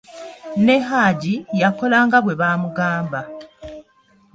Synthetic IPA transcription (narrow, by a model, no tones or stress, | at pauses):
ne̞ɦaːɟijako̞laːŋɡaβwe̞βaːmuɡaːmba